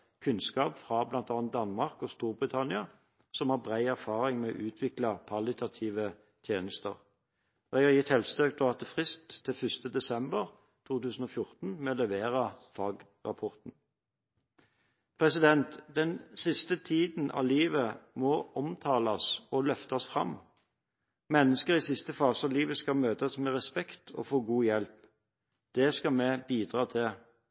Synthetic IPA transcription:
kʰʉnskɑːpfʁɑblɑnt̪ɑːnt̪̚d̪ɑnmɑʁkɔst̪uːʁbʁɪt̪ʰɑnɪɑ | sɔmhɑːʁbʁæɪæʁfɑːʁɪŋmɛɔ̰ʔʉːt̪ʰʋɪklɑpʰɑlɪt̪ʰɑt̪ʰiːʋə | t̪ʰjeːnəst̪ə̰ʁ | ɛɡɑjɪt̪hɛlst̪økt̪ʰɔɑt̪ːəfʁɪst̪ʰːɪlfʏst̪əd̪ɛsɛmbəʁ | t̪ʰuːt̪ʉːsn̩ɔːfjʊʁt̪n̩mɛlɛʋeːʁɑfɑːɡ | ʁɑ̰pʰɔʁt̪n̩ | pʰʁɛsɪd̪ɛnt̪d̪ɛnsɪst̪ət̪ʰiːd̪n̩ʔɑ̰ʋliːʋəmɔɔmt̪ʰɑːlɑsɔlœft̪ɑsfʁɑ̰m | mɛnːəskəʁɪsɪst̪əfɑːsɑʋliːʋəskɑmøːt̪ɑsmɛʁɛspɛkt̪ʰɔ̰foːɡuːjɛlp | d̪̥ɛskɑmɛbiːd̪ʁɑːt̪ʰɪl

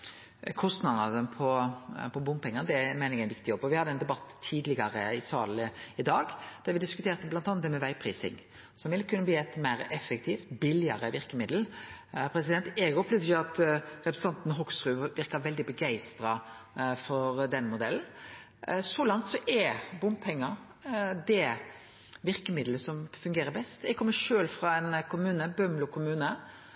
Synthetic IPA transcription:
kʰɔst̪nɑd̪ɑd̪əpʰɔpʰɔbʊmpɛŋːəd̪ɛmæɪnɾɛɡæɪnʋɪkt̪ɪjɔbːɔʋɪhɑd̪ɛɪnd̪ɛbɑt̪ʰːiːd̪lɪɡɑɾəɪsɑːləɪd̪ɑːɡd̪̥æɾʋɪd̪ɪskʉt̪ʰeːɾt̪əblɑnɑnɑt̪ɛmɛʋæɪpʰɾiːsɪ̰ŋ | sɔmʋɪlkʰʉnːəbliːæt̪mæɪɾɛfːɛk̚t̪ʰiːft̪bɪlɪɑɾəʋɪɾkəmɪd̪l̩pʰɾɛs̬ɪd̪ɛnt̪ɛɡɔplysəəɑt̪ɾɛpɾəsn̩ʰɑnt̪nɦɔɡsɾʉːʋɪɾkɑʋɛld̪ɪbəɡæɪst̪ɾɑ | fɔɾd̪ɛnːmʊd̪ɛln̩ | sɔlɑŋt̪sɔʔɛbʊmpʰɛŋːəɾ | d̪ɛ | ʋɪɾkəmɪd̪ləsɔmfʉŋɡeːɾəɾbɛst̪ɛɡ̚kʰɔmːəʂøːlfɾɑɛnkʰʊmʉːnəbœmlʊkʰʊmʉːnə

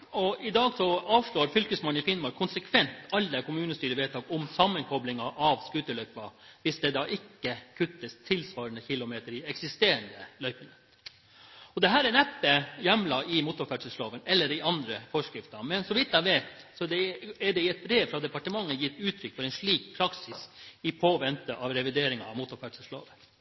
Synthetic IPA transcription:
ɔɪd̪ɑːɡsɔɑːʋʂɭoːɾfʏlkəsmɑnːɪfɪnmɑɾkʰːʊnsəkʰʋɛnt̪ɑlːəkʊmʉːnəst̪yːɾəʋeːt̪ɑːɡɔmsɑmːənkʰɔblɪŋɑʔɑʋskʉt̪əlœʏpɑʋɪsd̪ɛd̪ɑːʔɪkːəkʰʉt̪ːəst̪ʰɪlsʋɑːɾənəçɪlːʊmeːt̪əɾɪɛksɪst̪eːɾənd̪əlœʏpənə | ɔd̪ɛɦæːɾænɛpːəjɛmlɑʔɪmʊt̪ʊɾfæɖsəsloːʋənɛlːəɾɪʔɑnd̪ɾəfɔʂkɾɪft̪əmɛnsɔʋɪt̪ːæɪʋeːt̪sɔd̪ɛæɖɛɪɛt̪̚bɾeːʋfɾɑd̪ɛpɑʈəmɑŋːəjɪt̪ːʉːt̪ʰɾʏkːfɔɾɛɪnʂɭiːk̚pʰɾɑksɪsɪpʰoːʋɛnt̪əʔɑʋɾɛʋɪd̪eːɾɪŋɑɑʋmʊt̪ʊɾfæɖsəslo̰ːʋə

